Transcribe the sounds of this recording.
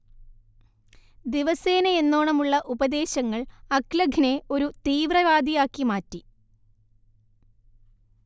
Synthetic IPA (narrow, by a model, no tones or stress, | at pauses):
d̪iʋɐse̞ːnɐenːo̞ːɳɐmuɭːɐʔubɐd̪e̞ːɕɐŋːɐɭɐklɐɡʱne̞o̞ɾut̪iːʋrɐʋaːd̪ʱijaːkːimaːtːi